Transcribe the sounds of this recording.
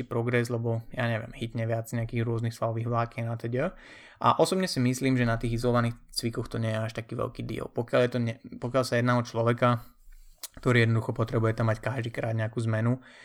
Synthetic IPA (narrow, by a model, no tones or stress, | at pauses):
ipɾɔɡɾɛzlɛbɔjaːɲɛʋɪɛ̰mɦit̪ɲɛʋɪad͡zɲɛakiːɣɾʊɔznixsfalɔʋiːɦʋlaːkɛnat̪ɛɟə | ʔa̰ʔɔsɔbɲɛsimisliːmʒɛnat̪iːɣizɔlɔʋaniːxt͡sʋikɔxt̪ɔɲɛjɛaʃt̪akiːʋɛ̰lkiːd̪ḭːɔ̰lpɔkɪaljɛt̪ɔɲɛpɔkalsajɛd̪naːɔt͡ʃlɔʋɛka | kt̪ɔɾiːjɛd̪nɔd̪uxɔpɔt̪ɾɛbujɛt̪amːackaʒd̪iːkɾa̰ːd̪ɲɛakuːzmɛnu